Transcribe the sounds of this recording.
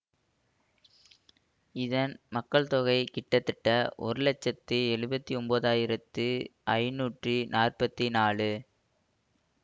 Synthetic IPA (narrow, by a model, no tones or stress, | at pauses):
ɪðɐnmɐkːɐɭt̪ɔɣɐɪkɪʈːɐt̪ːɪʈːɐʔɔ̰ɾɯlɛt͡ʃːɐt̪ːɯɛɻɯbɐt̪ːiɔmboːðaːjɪɾɐt̪ːɯʔɐɪnuːʈrinʔaːrpɐt̪ːinaːɭɯ